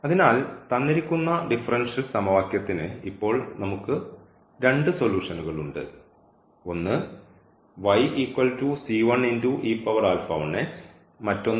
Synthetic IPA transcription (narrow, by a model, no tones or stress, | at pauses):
ɐðinaːlt̪ɐnːiɾikʲːunːɐɖifɐrɐnʂilsɐmɐʋaːkjɐt̪ːinɨipːo̞ːɭnɐmukːɨ | ɾe̞ɳɖɨso̞luːʂɐnuɣɐɭuɳɖɨ̰ | o̞nːɨ | ʋɐjiːkʋɐltusiːʋɐɳinduʔiːpːɐʋɐraːlfɐ̰wɳːes | mɐtːo̞nː